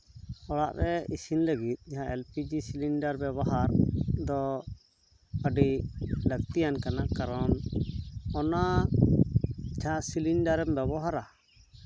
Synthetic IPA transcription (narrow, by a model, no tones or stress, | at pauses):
ɔɽa̰ʔɾɛisinləɡit̪̚ˀɲaɦãʔɛlpid͡ʒisilinɖaɾbɛbɔɦaɾd̪ɔ | əɖilək̚t̪ijankanakaɾɔn | ɔna | d͡ʒʱãʔsilinɖaɾɛmbɛbɔɦaɾa